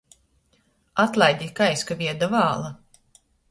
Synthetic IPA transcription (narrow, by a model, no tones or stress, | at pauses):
at̪lˠajd̪ʲikajskavʲiɛd̪avaːlˠa